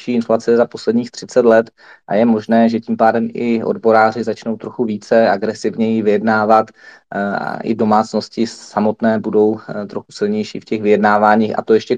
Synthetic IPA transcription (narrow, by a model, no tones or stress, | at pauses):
ʃiːɪnflat͡sɛzapo̞slɛdɲiːxt̪r̝̥ɪt͡sɛt̪lɛt̪ | ʔa̰jɛmo̞ʒnɛːʒɛciːmpaːdɛmʔɪʔo̞̰dbo̞ɾaːr̝ɪzat͡ʃno̞wt̪ɾo̞xuviːt͡sɛaɡɾɛsɪvɲɛjivɪjɛdnaːvat̪ | ʔɪ̰do̞maːt͡sno̞scɪsamo̞t̪nɛːbudo̞wt̪ɾo̞xusɪlɲɛjʃḭːfcɛxvɪjɛdnaːvaːɲiːxʔa̰t̪o̞jɛʃcɛ